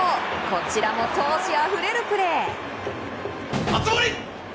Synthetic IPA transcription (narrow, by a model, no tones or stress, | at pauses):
ko̞t͡ɕiɾamo̞t̪o̞ːɕiaɸɯ̟ɾe̞ɾɯ̟pɯ̟ɾe̞ː | at͡sɨboɾʲi